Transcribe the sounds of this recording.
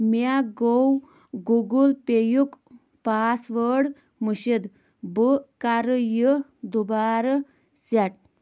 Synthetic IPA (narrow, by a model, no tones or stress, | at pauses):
maɡow | ɡuɡulpejuk | pasʋəɽ | muɕed̪ | bəkaɾəjəd̪ubaɾə | saʈ̚